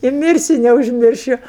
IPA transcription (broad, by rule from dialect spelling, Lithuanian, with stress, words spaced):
ɪ ˈmʲɪrʲsʲʊ nʲɛʊʒʲˈmʲɪrʲʃʲʊ